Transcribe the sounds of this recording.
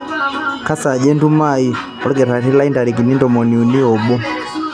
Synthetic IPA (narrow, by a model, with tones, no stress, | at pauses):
ka˦sa˨d͡ʒɛ˦ndu˦mai˨ | ɔ˦ɾɛ˦kɛ˨ta˨ti˦la˦i˦nda˨ɾi˨k̬i˨ni˦ndɔ˨mɔ˨ni˨u˨ni˦ɔ˨ɓɔ˦